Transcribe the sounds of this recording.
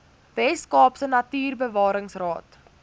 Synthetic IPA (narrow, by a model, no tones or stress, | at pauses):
vɛskɑːpsənɐtyːrbəvɑːɾəŋsrɑːt